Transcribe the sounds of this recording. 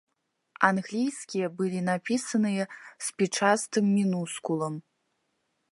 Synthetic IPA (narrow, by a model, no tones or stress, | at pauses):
anɣlʲijsʲkʲijɐbɨlʲinapʲisɐnɨjɐspʲit͡ʂast̪ɨmːʲinuskulˠɐm